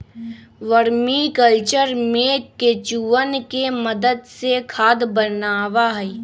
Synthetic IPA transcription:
ʋəɾmikəlt͡ʃəɾmẽket͡ʃuʋənkeməd̪əd̪sekʰaːd̪bənaːʋaɦɛ

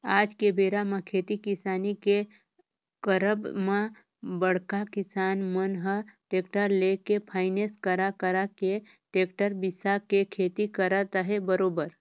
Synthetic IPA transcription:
aːd͡ʒkebeːɾamãkʰeːt̪ikɪsaːnike | kəɾəbmã | bəɽ̤kakɪsaːnmənɦəʈeːk̚ʈəɾlekepʰaːɪneskəɾakəɾake | ʈeːk̚ʈəɾbɪsakekʰeːt̪ikəɾat̪əɦebəɾoːbəɾ

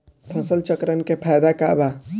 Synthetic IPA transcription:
t̪ʰɐsəlt͡ʃəkɾənkepʰaːjd̪akaba

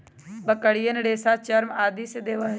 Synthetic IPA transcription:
bəkəɽijənɽeːsat͡ʃɐɾmaːd̪iːsed̪eːʋaː

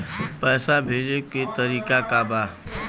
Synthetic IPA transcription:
pɛːsabʱeːd͡ʒeket̪əɾiːkakabaː

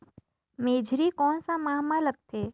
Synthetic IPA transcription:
meːd͡ʒʱɾikɔːnsamaːɦmalək̚t̪ʰeː

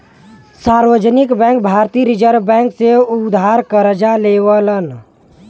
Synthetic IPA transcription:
saːɾʋəd͡ʒnɪkbɛ̃ːŋk̚bʱaːɾt̪iɾid͡ʒəɾbɛ̃ːkseʊd̪ʱaːɾkəɾd͡ʒaleːʋələn

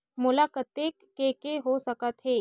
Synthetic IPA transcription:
mulakət̪ːekːekeɦosəkət̪ɦe

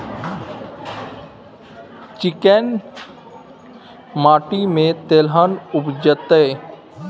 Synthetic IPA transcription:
t͡ʃɪken | maːʈimẽt̪eːlɦənʊbd͡ʒət̪e

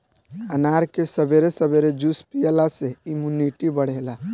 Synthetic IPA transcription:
ənaːɾkesəbeɾesəbeɾed͡ʒuspijəlaseimuniʈibəɽ̤ela

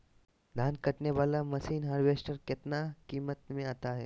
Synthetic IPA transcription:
d̪ʱaːnkəʈneʋaːlamɐsiːnɦaːɾʋeːsʈəɾkɪt̪nakiːmət̪mẽaːt̪aɦɛː

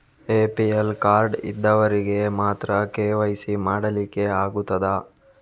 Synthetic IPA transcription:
eːpielkaːɾɖḭd̪ːɐʋɐɾiɡe̞maːt̪ɾɐkeːʋɐjsimaːɽɐlikːe̞aːɡut̪ːɐd̪ɐ

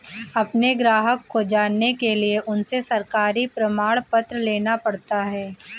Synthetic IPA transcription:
ɐpneɡɾaːɦəkːod͡ʒaːnːekelieʔʊnsesɐɾkaːɾipɾɐmaːɭpɐt̪ɾəleːnapɐɽt̪aɦɛː

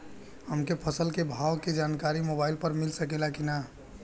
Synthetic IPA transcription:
ɦəmkepʰəsəlkebʱawked͡ʒankaɾimobaɪlpəɾmilsəkelakina

